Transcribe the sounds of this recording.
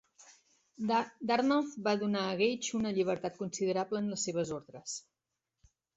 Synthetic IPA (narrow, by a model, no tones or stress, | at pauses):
d̪arnɔlfbaðunaəɣejt͡ʃunəʎiβ̞əɾt̪at̪̚kunsiðəɾabləːnləsːeβ̞əzoɾðɾəs